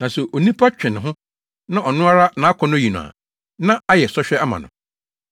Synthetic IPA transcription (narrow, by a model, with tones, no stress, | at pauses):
nã˨so˨ʔo˨nĩ˦pʰa˦t͡ɕᶣɪ̃˨ñ˨ɦʊ̃˦ | nã˦ʔɔ˨nʊ̃˦a˦ɾa˦nã˨˦kʰɔ̃˨˦nʊ̃˦ji˨nʊ̃˨a̰˨ | nã˦a˦jɛ˨sɔ˦ɕᶣɛ˦a˦mã̰˨nʊ̰̃˨